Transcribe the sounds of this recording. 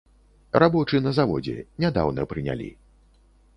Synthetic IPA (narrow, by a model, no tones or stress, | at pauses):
rabɔt͡ʂɨnɐzavɔ̰d͡zʲɛ̰nʲad̪a̰wnɐpɾɨnʲa̰lʲḭ